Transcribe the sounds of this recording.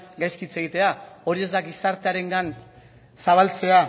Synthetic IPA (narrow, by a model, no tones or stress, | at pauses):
ɡajskit͡se̞ɣ̞it̪e̞ao̞ɾie̞zd̪aɡisaɾt̪e̞aɾe̞ŋɡan | saβ̞alt͡se̞a